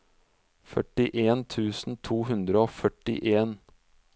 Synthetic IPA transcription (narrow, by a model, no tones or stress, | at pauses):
fœʈɪʔeːnt̪ʰʉːsn̩t̪ʰuːɦʉnd̪ɾəoːfœʈɪ̰ʔeːn